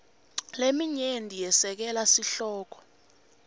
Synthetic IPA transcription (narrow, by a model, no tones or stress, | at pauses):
lemiɲendʱijɛsɛk̬ɛlasiɬɔːk̬ɔ̥